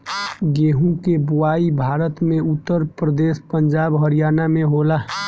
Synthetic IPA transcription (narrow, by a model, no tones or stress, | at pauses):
ɡeːɦũkebʊwaːibʱaːɾət̪mẽʊt̪ːəɾpɾəd̪eːspə̃ɲd͡ʒaːbɦəɾijaːnamẽɦoːla